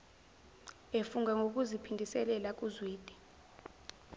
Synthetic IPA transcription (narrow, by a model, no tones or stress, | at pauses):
efuŋaŋok̬uzipʰindʱisɛlɛlak̬uzwiːd̥ʱʼi̥